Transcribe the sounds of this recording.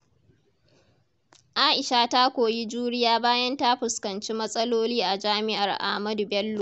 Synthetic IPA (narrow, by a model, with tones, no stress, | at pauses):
ʔaː˦ʔɪ˨ʃa˦ta˦kʷoː˨ji˦d͡ʒuː˦ɽɪ˦jaː˦baː˦jɐ˦nta˦ɸʊ˨skɐ˨nt͡ʃi˦mɐ˦sʼɐ˦loː˦liː˦ʔa˨d͡ʒaː˦mɪ˦ʔa˨rʔa̰˨hmɐ˦du˨bɛ˦lːo˨